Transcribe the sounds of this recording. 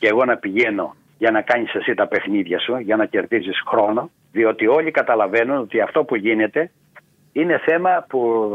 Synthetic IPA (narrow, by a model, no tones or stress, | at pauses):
ceɣo̞nɐpiʝe̞no̞̰ | ʝɐnɐkɐɲisesit̪ɐpe̞xniðʝɐsuʝɐnɐce̞ɾðisisxɾo̞no̞ | ðio̞t̪io̞ʎikɐt̪ɐlɐve̞nuno̞t̪iɐft̪o̞puʝine̞t̪e̞ | ine̞θe̞mɐpu